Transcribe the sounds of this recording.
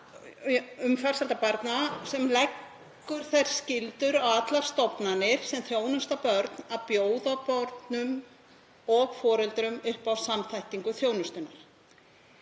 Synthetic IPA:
ʏmfaɾsalt̪apaɾt̪nasɛmlɛkː | ʏɾ̥θajɾ̥scɪlt̪ʏɾawat̪laɾ̥st̪ɔpnanɪɾ̥sɛmθjoːwnʏst̪apœɾt̪nawpjoːwðapɔɾt̪nʏm | ɔɣfɔːɾɛlt̪ɾʏmʏhpawsamθajht̪iŋkʏθjoːwnʏst̪ʏnːaɾ̥

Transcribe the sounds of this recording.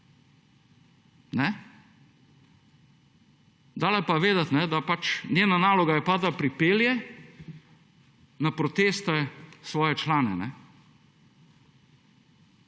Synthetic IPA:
nɛ | d̪aːlɛpaʋeːd̪at̪nɛd̪apat͡ʃnʲeːnanaːlɔɡajɛpad̪lapɾipeːljɛ | napɾɔt̪eːst̪ɛsʋɔːjɛt͡ʃlaːnɛnɛ

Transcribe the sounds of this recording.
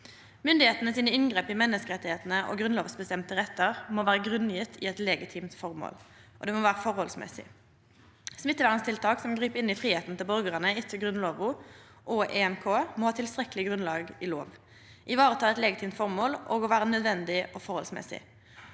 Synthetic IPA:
mʏnd̪ɪheːt̪ənəsiːnəɪnɡʁeːpɪmɛnːəskəʁɛt̪ːɪheːt̪ənəʔo̰ːɡʁʉnloːʋsbəst̪ɛmt̪əʁɛt̪ʰːəʁmoːʋæːʁəɡʁʉnjɪt̪ʰɪ̰ɛt̪lɛːɡɪt̪ʰiːmt̪fɔʁmo̰ːlʔɔd̪ɛːmoʋæːʁəfɔʁhɔlsmɛ̰sɪ̰ | smɪt̪ːəʋæːʁənst̪ʰɪlt̪ʰɑːksɔmɡɾiːpɪnɪfɾiːheːt̪n̩t̪ʰɪlbœʁɡəʁənəɪt̪ʰːəɡʁʉnloːʋʊ | ʔɔʔɛːɛmkʰoːmɔhɑːt̪ʰɪlst̪ʁɛklɪɡɾʉnlɑːɡɪlo̰ːʋ | ʔɪʋɑːʁət̪ʰɑːɛt̪lɛːɡɪt̪ʰiːmt̪fɔʁmoːlʔoːɡɔʋæːʁənœd̪ʋɛnd̪ɪɔfɔɾhɔlsmɛ̰sɪ̰

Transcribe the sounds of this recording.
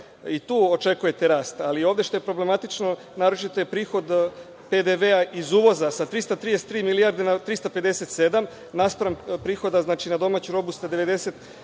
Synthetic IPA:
it̪uːot͡ʃe̞kuje̞t̪e̞ɾaːst̪alio̞ːʋd̪e̞ʃt̪o̞je̞pɾo̞ble̞mat̪it͡ʃno | naːɾot͡ʃit̪ojepɾiːxo̞d̪ | pe̞d̪e̞ʋeaʔizuːʋo̞zasat̪ɾist̪at̪ɾid̪ese̥t̪ːɾiːmiliaɾd̪enat̪ɾist̪ape̞d̪e̞set̪se̞d̪am | naspɾanpɾiːxo̞d̪aznaːt͡ʃinad̪o̞maːt͡ɕuɾo̞bust̪ad̪eʋe̞d̪e̞se̞t̪

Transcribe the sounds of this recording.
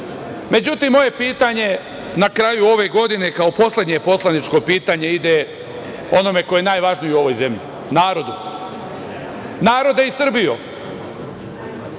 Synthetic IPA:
me̞d͡ʑut̪imːo̞je̞piːt̪aɲe̞ | nakɾaːjuo̞ʋe̞ɡo̞d̪ine̞kao̞po̞slʲˠe̞d̪ɲe̞po̞slˠanit͡ʃko̞piːt̪aɲe̞id̪e | o̞no̞me̞ko̞jejenaːjʋaːʒnojuo̞ʋo̞jze̞mʎi | naːɾo̞d̪u | naːɾo̞d̪eisr̩bijo

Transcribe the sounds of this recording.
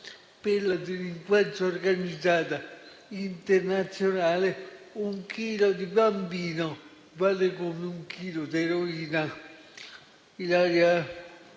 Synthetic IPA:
pelːad̪eliŋkwat̪ɾoorɡanid̪zaːt̪a | int̪ernat̪sjonaːleuŋkiːlod̪ibambiːno | valekomeuŋkʰiːlod̪eɾoiːna | ilaɾja

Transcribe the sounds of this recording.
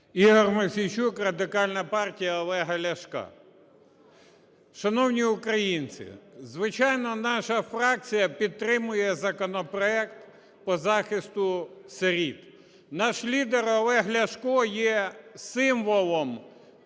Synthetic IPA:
iɦɔrmɐsʲit͡ʃukrɐd̪ɪkɑlʲnɐpɑrtʲijɐɔlˠɛɦɐlʲɐʃkɑ̰ | ʃɐnɔwnʲiʊkɾɐjint͡sʲɪ̰zʋɪt͡ʃɑjnɔnɑʃɐfɾɑk̚t͡sʲijɐpʲid̪̚t̪ːɾɪmʊjɛzɐkɔnɔpɾɔɛkt̪ | pɔzɑxɪst̪ʊsɐɾʲit̪ | nɑʃlʲid̪eɾɔlˠɛɦlʲɐʃkɔjɛsɪmʋɔlˠɔm

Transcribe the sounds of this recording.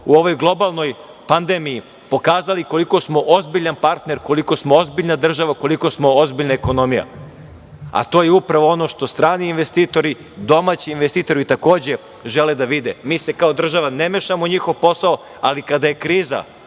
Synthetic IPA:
uoʋo̞jɡlˠo̞balˠno̞j | pand̪emiji | po̞kaːzaliko̞liko̞smo̞ʔozbiʎanpaɾt̪ne̞ɾko̞liko̞smoo̞zbiʎnad̪r̩ʒaʋako̞liko̞smo̞ozbiʎnaeko̞no̞mija̰ | a̰t̪o̞ːjeupɾaʋoo̞no̞ʃt̪o̞st̪ɾaːniinʋest̪iːt̪o̞ɾi | d̪o̞maːt͡ɕiːnʋest̪iːt̪o̞ɾit̪ako̞ːd͡ʑe | ʒeled̪aʋid̪emiːse̞kao̞d̪r̩ʒaʋanemeʃamoɲixo̞ʋpo̞sao | alikad̪aje̞kɾiːza̰

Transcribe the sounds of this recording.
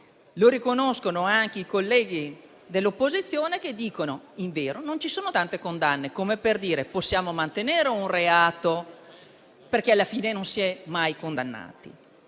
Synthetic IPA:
loɾikonoskonoaŋk̟eikolːɛːɡ̟i | d̪elːopːozit̪sːjoːnek̟ed̪ːiːkonoiɱveːɾonont͡ʃisoːnot̪ant̪ekond̪anːekomeperd̪iːɾeposːjaːmomant̪eneːɾeunreaːt̪o | perk̟ealːafiːnenonsiɛmajkond̪anːa̰ːt̪ḭ

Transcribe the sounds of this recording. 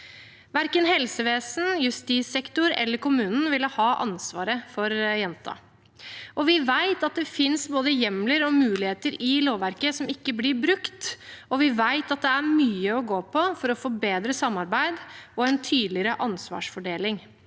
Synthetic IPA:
ʋæɾkənhɛlsəʋeːsn̩jʉst̪isɛkt̪ʊɾɛ̰lːəɾkʊmʉːnn̩ʋɪləhɑːʔɑ̰nsʋɑːɾəfɔɾjɛnt̪ʰɑ̰ | ʔɔʋɪʋæɪt̪ɑt̪̚d̪ɛfɪnsboːd̪əjɛmləɾɔmʉːlɪheːt̪əɾɪloːʋæɾkəsɔmɪkːəblɪɾbɾʉkt̪ɔʋɪʋæɪt̪ɑt̪̚d̪ɛæɾmyːəɔɡoːpʰɔfɔɾɔfoːbeːd̪ɾəsɑmːɑɾbæɪd̪ɔɛnt̪ʰyːd̪lɪɾəʔɑnsʋɑ̰ːʂfɔɖeːlɪŋ

